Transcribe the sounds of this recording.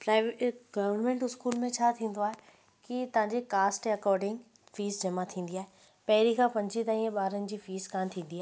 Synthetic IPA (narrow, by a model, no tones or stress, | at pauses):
pɾaːɪʋeɡɐʋəɾnmẽːɳʈɪskuːlmẽt͡ɕʰaːt̪ʰĩːn̆d̪oaːɦe | kit̪ɐʋ̤ãɲd͡ʑekaːsʈɐkɔːɾɖɪ̃ŋɡ | fiːzd͡ʑɐmat̪ʰĩːn̆d̪iaːɦe | pɐɦɪɾikʰãːpɐ̃ɲd͡ʑit̪aːɾĩːə̃ɓaːɾənɪ̆d͡ʑiːfiːzkãːnt̪ʰĩːn̆d̪iaːɦ